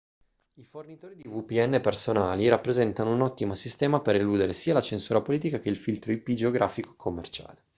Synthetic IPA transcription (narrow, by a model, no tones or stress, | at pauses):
ifornit̪oːɾid̪ivupiɛnːepersonaːliɾapːɾezɛnt̪anounɔt̪ːimosist̪ɛːmapeɾeluːd̪eɾesiːalat͡ʃensuːɾapoliːt̪̬ikak̟eilfilt̪ɾoipid͡ʒeoɡɾʔaːfiko̥ekʰomːḛrt͡ʃa̰ːle